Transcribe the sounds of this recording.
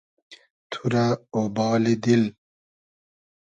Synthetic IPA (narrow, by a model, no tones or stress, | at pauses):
t̪ʰuɾaobɑːlid̪il